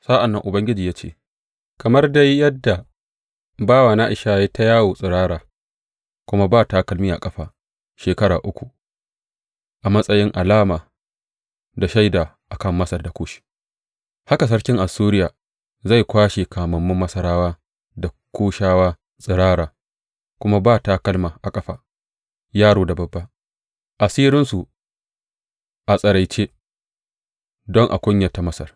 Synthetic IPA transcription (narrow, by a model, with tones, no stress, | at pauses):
saː˦ʔa˨nːɐ˨ŋʔʊ˨bɐ˦ŋɡʲɪ˦d͡ʒiː˨jaː˦t͡ʃḛː˦˨ | kɐ˨mɐ˦rda˦jːɐ˦dːa˨ | baː˦˨wa˨naː˦ʔɪ˨ʃaː˦je˦ta˦jaː˦woː˨sʼɪ˨ɾaː˦ɾaː˨ | kʷʊ˦ma˦baː˦˨ta˨kɐ˦lmɪ˦a̰˨kʼɐ˦ɸaː˨ | ʃeː˨kɐ˦ɽa̰ː˨ʔʊ˦kʷu˨ | ʔa˨mɐ˦sʼɐ˦jɪ˦ŋʔa˨laː˦maː˨ | da˨ʃa˦jdaː˨ | ʔa˨kɐ˦˨mːɐ˦sɐ˨rda˨kʷoː˦ʃi̥˦ | ha˦ka˨s̬ɐ˦ɽkʲɪ˦ŋʔa˨suː˦ɾɪ˦jaː˨ | za˦˨jkʷaː˦ʃeː˨kʰaː˨mɐ˨mːʊ˦mːɐ˦sɐ˦ɾaː˦waː˦ | da˨ | kʷoː˦ʃaː˦waː˦ | sʼɪ˨ɾaː˦ɾaː˨ | kʷʊ˦ma˦baː˦˨ta˦kɐ˦lmaː˨ʔa˨kʼɐ˦ɸaː˨ | jaː˦ɽoː˨da˨bɐ˦bːa˦ | ʔa˨siː˦ɾɪ˦nsu˨ | ʔa˨sʼɐ˨ɾa˨jt͡ʃeː˦ | dɔ˦ŋʔa̰˨kʷʊ˦ɲjɐ˨ta˨mɐ˦sɐ˨r